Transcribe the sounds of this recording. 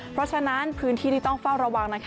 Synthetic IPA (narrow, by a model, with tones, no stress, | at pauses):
pʰɾɔ˦˥t͡ɕʰa˧na˦˥npʰɯː˦˥nt̪ʰiː˥˩t̪iː˥˩t̪ɔ˥˩ŋfa˥˩wɾa˧wa˧ŋna˦˥kʰ